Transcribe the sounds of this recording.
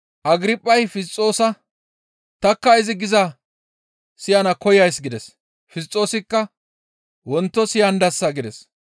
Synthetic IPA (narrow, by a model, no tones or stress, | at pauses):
ʔɐɡɾɪpʼːɐjfɪst͡sʼːo̞ːsɐ | t̪ɐkːɐɪzɪɡɪzɐ | sɪjɐnɐkɔjɐjsɡɪd̪ɛs | fɪs̬t͡sʼːo̞ːsɪkːɐ | wɔnt̪ːɔsɪjɐnd̪ɐsːɐɡɪd̪ɛs